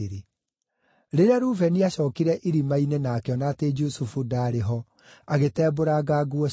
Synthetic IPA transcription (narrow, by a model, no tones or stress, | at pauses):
ɾe | ɾeɾeaɾuːvɛniaɕɔːkiɾɛʔiɾimainenaːkɛɔnaːted͡ʒusufudaɾeɦɔ | aɣetɛːboɾaɡaːɡwɔ